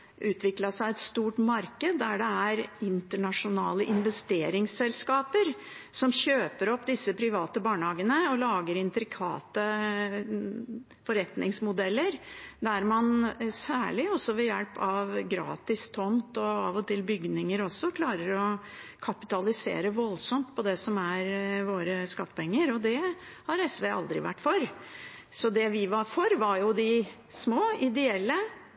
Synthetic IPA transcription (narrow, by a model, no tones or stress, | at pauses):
ʔʉːt̪ʰʋɪklɑsæɪɛt̪st̪uːʈmɑɾkəd̪ːæɖɛæɾɪnt̪əɳɑʂʊnɑːləʔɪnʋɛst̪eːɾɪŋsɛlskɑːpəɾ | sɔmɕøːpəɾɔpːd̪ɪsːəpʰɾɪʋɑːt̪əbɑːɳəhɑːɡənəɔlɑːɡəɾɪnt̪ɾɪkʰɑ̰ːt̪ə | fɔɾɛt̪nɪŋsmʊd̪ɛlːəɾd̪æɾmɑnsæːɭɪɔsɔʋɛjɛlpɑʋɡɾɑ̰ːt̪ɪst̪ʰɔmt̪ɔɑʋɔt̪ʰɪlbʏɡnɪŋəɾɔsːɔkʰlɑːɾəɾɔ | kʰɑpɪt̪ɑlɪsḛːɾəʋɔlsɔmt̪pʰɔd̪ɛsɔmæɾʋoːɾəskɑt̪ːə̥pʰɛŋːəɾɔd̪ɛhɑɾɛsʋeːɑ̰ld̪ɾɪ̰ʋæ̰ʈːfɔɾ | sɔd̪ɛʋɪʋɑɾfɔɾʋɑɾjʊd̪ɪ | smoːɪd̪ɛɛlːə